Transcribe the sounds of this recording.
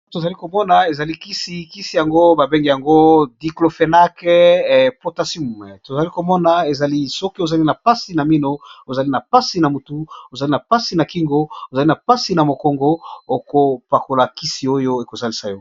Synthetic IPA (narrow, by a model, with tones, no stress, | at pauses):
to˨za˨li˦ko˨mɔ˦na˨e˨za˨li˦ki˦si˨˦ki˦si˨ja˨ŋɡo˦ba˨be˦ŋɡi˨ja˨ŋɡo˦di˨klo˨fe˨na˦kɛ˦po˦ta˦si˦mu˨mɛ˨to˨za˨li˦ko˨mɔ˦na˨e˨za˨li˦sɔ˦ki˦o˨za˨li˦na˨pa˦si˨na˨mi˦no˦o˨za˨li˦na˨pa˦si˨na˨mu˨tu˦o˨za˨li˦na˨pa˦si˨na˨ki˦ŋɡo˦o˨za˨li˦na˨pa˦si˨na˨mo˨kɔ˦ŋɡo˦o˨ko˨pa˨ko˨la˨ki˦si˨o˦jo˦e˨ko˨za˦li˨sa˦jɔ˦